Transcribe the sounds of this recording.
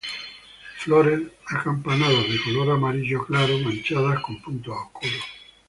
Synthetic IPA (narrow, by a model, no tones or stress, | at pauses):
floɾenakampanaðoðekoloɾamaɾiʒoklaɾomãnt͡ʃaðaskompunt̪oakulo